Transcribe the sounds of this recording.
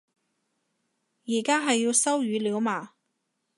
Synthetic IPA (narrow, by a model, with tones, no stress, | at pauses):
jiː˨˩kaː˥ɦɐ˨jːiː˧wsɐ˥wjyː˨˧˥liː˨˥wmaː˨˩